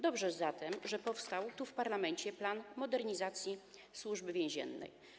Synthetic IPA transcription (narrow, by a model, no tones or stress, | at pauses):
d̪ɔbʐɛzat̪ɛmʐɛpɔfst̪awt̪ufpaɾlamɛɲt͡ɕɛplanmɔd̪ɛɾɲizat̪sʲjiswuʐbɘvʲjɛ̃ʑɛ̰nːɛ̰j